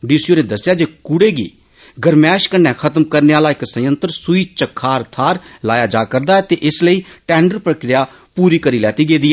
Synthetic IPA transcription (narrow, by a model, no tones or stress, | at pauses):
ɖiːsjoːnẽːd̪əsːɪjaːd͡ʒeːkʊɽeːɡḭː | ɡəɾmɛːʃkənːɛ̃ːkʰət̪mkəɾneːaːlaːɪksəjə̃nt̪əɾsʊiːt͡ʃəkʰːaːɾt̪ʰaːɾlaːjaːd͡ʒaːkəɾd̪aːɛːt̪eːʔɪsləiːʈɛːɳɖəɾpɾəkɾɪjaː | puːɾiːkəɾiːlɛːt̪iːɡeːd̪iːɛː